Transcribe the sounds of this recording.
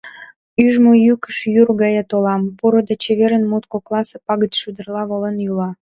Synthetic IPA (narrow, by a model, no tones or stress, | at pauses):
yʒmojykə̥ʃjurɣɑjet̪olɑmpuɾəd̪et͡ɕeβeɾənmut̪koklɑsepɑɣət̪ʃud̪ərlɑβolənjylɑ